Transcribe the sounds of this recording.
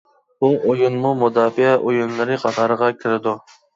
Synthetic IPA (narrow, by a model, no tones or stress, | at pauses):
buojunmumud̪ɑːfɪɛʔojunlˠɨɾɨqʰɑt̪ʰɑɾəʁɑkʲʰɪɾɪd̪u